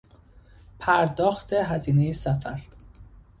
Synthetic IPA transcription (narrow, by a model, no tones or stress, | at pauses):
pʰæɾd̪ɒːxt̪ʰe̞ɦæziːnejesæfæɾ